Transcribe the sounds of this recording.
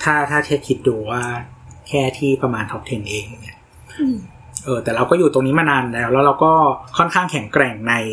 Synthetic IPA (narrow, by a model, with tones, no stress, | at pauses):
t̪ʰaː˥˩t̪ʰaː˥˩t͡ɕʰɛ˦˥˩kʰi˦˥t̪̚duː˧waː˥˩kʰɛː˥˩t̪ʰiː˥˩pɾa˧maː˧nt̪ʰɔ˦p̚t̪ʰe˧nʔeː˧k̚a˨˩ŋni˦˥ɐ | ʔɤː˧t̪ɛː˨˩ɾa˧wkɔː˥˩juː˨˩t̪o˧ŋni˦˥ma˧naː˧nlɛː˦˥wlɛː˦˥wɾa˧wkɔː˥˩kʰɔ˥˩nkʰaː˥˩ŋkʰɛ˩˦ŋkɾɛ˨˩ŋna˧j